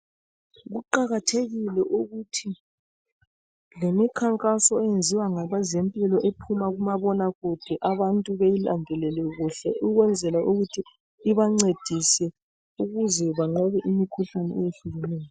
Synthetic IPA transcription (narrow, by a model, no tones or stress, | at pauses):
ɣuǃaɣatʰeɣilɛʔuɣutʰi | lemikʰaŋkʼasɔɛjend͡zʱiwaŋaβazempʼilɔʔepʰumaɣumaβɔnaɣud̥ʱɛʔaβantʼuβejilandʱɛlɛlɛɣuɬɛʔuɣwɛnd͡zʱɛlaʔuɣutʰiː | βaŋ͡ǀed̥ʱisɛ | uɣuzɛβaŋ͡ǁɛβɛʔimikʰuɬanɛ̰ɛjeɬuɣɛnɛːjɔ